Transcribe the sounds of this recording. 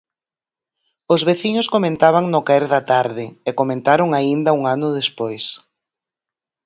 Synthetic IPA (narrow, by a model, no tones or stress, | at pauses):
ʊzβeθiɲʊskomẽnt̪aβ̞aŋnʊkaeɾðɐt̪aɾðɪekomẽnt̪aɾʊŋaind̪ɐuŋanʊðespojs